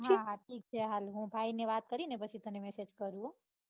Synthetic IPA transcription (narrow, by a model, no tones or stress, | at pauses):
ɦãɦãʈʰiːk̚t͡ʃʰɛɦalɦũbʱaineʋat̪̚kəɾinepət͡ʃʰit̪ənemɛsed͡ʒkəɾuo